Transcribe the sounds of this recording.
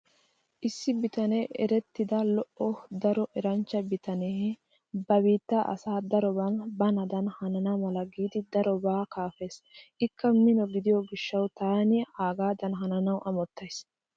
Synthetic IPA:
ʔɪsːɪbɪt̪ɐnɛʔɛ̰ɾɛt̪ːɪd̪ɐlɔʔɔd̪ɐɾɔʔɛɾɐnt͡ʃːɐbɪt̪ɐne | bɐbiːt̪ːaʔɐ̰saːd̪ɐɾɔbɐnbɐnɐd̪ɐnhɐnɐnamɐlɐɡiːd̪ɪd̪ɐɾɔbaːkaːfeːsʔɪkʰːɐmɪnɔɡɪd̪ɪjɔɡɪʃːɐwt̪aːnɪaːɡaːd̪ɐnɦɐnɐnɐwʔɐmɔt̪ːɐjs

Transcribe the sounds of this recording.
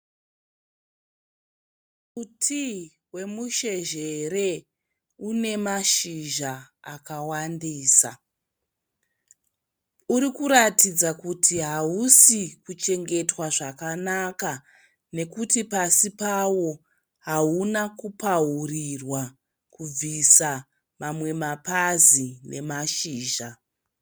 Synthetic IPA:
utʰi | we̞muʃe̞ʒe̞ɾe̞ | une̞maʃiʒaː | kawandiːsa | uɾikuɾatid͡zakutʰiɦausikut͡ʃe̞ŋɡe̞twaʐakanaka | ne̞kutipasipawo̞ | ɦaunakupaɦurirwa | kub͡visa | mamwe̞mapazine̞̰maʃiːʒa

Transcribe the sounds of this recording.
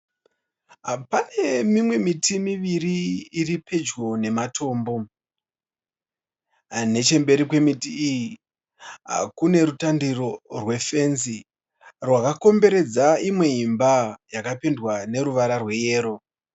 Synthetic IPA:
pane̞mimwe̞mitimiʋiɾiːripʰe̞d͡ʒɡo̞ne̞matʰo̞ːmbo̞ | ne̞t͡ʃe̞mbe̞ɾikwe̞mitiːji | ɦa̰kune̞ɾutandiro̞rwe̞fe̞nzi | rwakako̞mbe̞ɾe̞d͡zaimwe̞imbajakapendwane̞ɾuʋaɾarwe̞je̞ːɾo̞

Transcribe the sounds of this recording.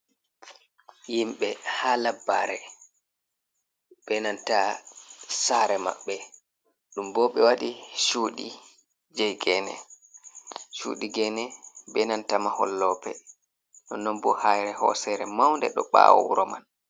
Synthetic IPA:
jimɓɛhalabːaɾɛ | ɓ̥ɛnanta | saɾɛma̰ɓːɛ | ɗumbɔɓɛwaɗiʃuːɗi | d͡ʒɛjɡɛnɛ̰ | ʃṵɗiɡɛnɛbɛnantamahɔlːɔːpɛ | ɗɔnːɔmbɔhajɾɛhɔ̰sɛɾɛmawndɛɗɔɓa̰ːwɔ̰uɾɔman

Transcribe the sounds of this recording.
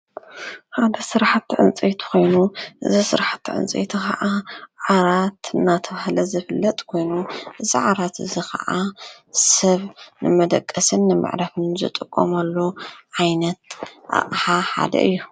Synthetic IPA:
ħad̪ɐsɨɾħat̪ːʕɨ̰nt͡sʼet̪ʰu̥ko̞jnuʔɨ̰zisɨɾħat̪ːʕɨ̰nt͡sʼḛt̪ʰixɐʔaʕaɾat̪ɨnːat̪ʰɐβahlɐzɨfɨlːɐt̪ʼkʰo̞jnuʔɨziʕaɾat̪ɨzikʰɐ̰ʔa | sɐβnɨmɐd̪ɐkʼːɐsɨnːɨmʔɨ̰ʕɾafɨnzɨ̰t̪ʼɨkʼːo̰mɐlːoʕajnɐt̪̚ʔa̰ʔʼħaħa̰d̪ɐ̰ʔɨ̰jːu

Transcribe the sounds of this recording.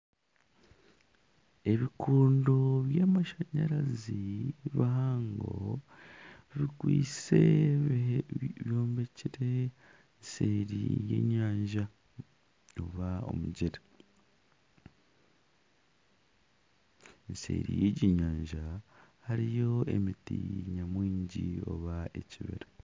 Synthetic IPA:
e̞βikʰuːndo̞βjaːmaʃaɲaɾaziβaɦaːŋɡo̰ | βikwḭːt͡se | βjo̞ːmbeciɾe | nseɾḭjḛɲaːɲʒa | oβao̞̰muɟiɾe | nsḛɾḭjeɟiɲaːɲʒahaɾijo̞e̞̰mitiɲamwiːɲɟio̞̰βaeciβḭɾe

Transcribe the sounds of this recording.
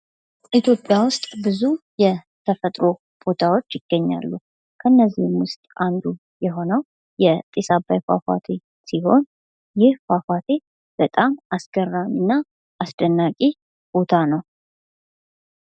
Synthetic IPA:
ʔit̪ʰjo̞pʼjawʊst̪ʼbɨzujɛ | t̪ʰəfət̪ʼɾo̞ | b̥o̞t̪ʰawo̞t͡ʃːjɪɡ̥ːəɲːa̰lːu | kʰəɨnːəzːihmwʊst̪ʼʔand̪u | jɛɦo̞nəw | jɛt̪ʼisabajfa̰fa̰t̪ʰe | siho̞n | jɪhfafat̪ʰe̞ | b̥ət̪ʼamʔasɡ̥ərːaminːa | ʔːsd̪ənːakʼi | b̥o̞t̪ʰanəw

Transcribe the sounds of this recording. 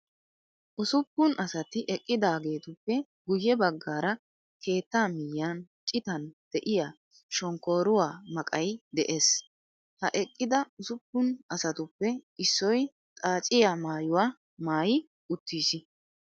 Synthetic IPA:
ʔʊsʊpːʊnʔɐsɐt̪ɪʔɛkʼːɪd̪aːɡe̞ːt̪ʊpːɛ | ɡʊjːɛbɐɡːaːɾɐ | kʰe̞ːt̪ːaːmɪjːɐnt͡ʃʼɪt̪ɐnd̪̥ɛʔɪja | ʃɔŋkoːɾʊwaːmɐkʼɐjd̪ɛʔe̞ːs | hɐʔɛkʼːɪd̪ɐʊsʊpːʊnɐsɐt̪ʊpːɛɪsːɔj | t̪ʼaːt͡ʃʼɪjaːmaːjʊwaː | maːjɪ | ʊt̪ːiːsɪ

